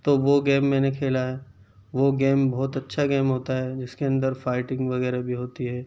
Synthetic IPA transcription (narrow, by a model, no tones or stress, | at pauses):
t̪oːʋoɡeːmːɛ̃ːnekʰeːlaɦɛː | ʋoɡeːmbɔːt̪ɐtːʃʰaɡeːmɦoːt̪aɦɛd͡ʒɪskeɐ̃nd̪əɾfaːɪʈɪ̃ŋɡʋɐɣɛːɾabʱiɦoːt̪iɦɛː